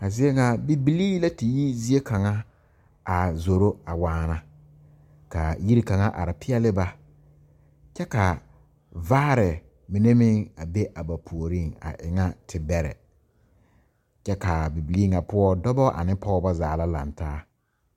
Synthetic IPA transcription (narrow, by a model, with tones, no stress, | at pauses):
a˨zɪ˦e˦ŋa˨bi˨bi˨liː˦la˦tɪ˨ji˦zi˦e˦ka˨ŋa˦ | a˨zo˨ɾo˦a˨waː˦na˨ | ka˨ji˦ɾi˦ka˨ŋa˦ʔa̰˨ɾɪ˨pʰɪ˦ɛ˦lɪ˦ba˦ | t͡ʃɛ˦ka˨ | vaː˦ɾɪ˨ | mɪ˨ne˦mɪ˦ŋa˨be˦ʔa˨ba˨pʰu˨o˨ɾi˦ŋa̰˨ʔɪ̰˨ŋa˦tʰɪ˨bɛ˨ɾɛ̰˨ | t͡ʃɛ˦ka˨bi˨bi˨li˦ŋa˨pʊ˦ɔ˦dɔ˦bɔ˦ʔa̰˨nɪ˦pɔ˦ʊ˦ba˦zaː˨la˦la̰˨ntaː˦